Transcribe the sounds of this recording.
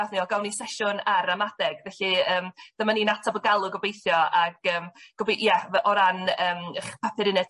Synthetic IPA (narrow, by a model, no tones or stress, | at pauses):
aθniɔɡawnisɛʃʊnaɾamadɛɡvɛɬiəːmd̥əmaninatʰɔbəɡalˠʊɡɔbejθjɔaɡəːmɡ̥ɔbiʔjɛʔɔɾanəːmχpʰɛpʰɪɾɪnɛ